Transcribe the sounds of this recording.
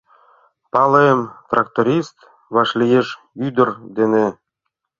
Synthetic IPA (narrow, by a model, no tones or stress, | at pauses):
pɑlemt̪rɑkt̪oɾʲist̪ | βɑʃlʲijeʃ | yd̪ə̆rd̪ene